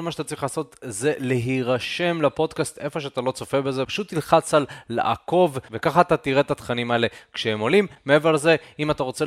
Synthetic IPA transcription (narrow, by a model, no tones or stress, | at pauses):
lmaʃeat̪at͡sʁiχlaːso̞t̪ze̞leɦiʁaʃe̞mlapo̞d̪kast̪e̞fo̞ʃeat̪alo̞t͡so̞febe̞zepḁʃut̪ːilχat͡salːa̰ʔa̰ko̞vvekaχaːt̪at̪iʁe̞t̪at̪χanimae̞le̞kʃehemolimːeeveʁlze̞imat̪aʁo̞t͡se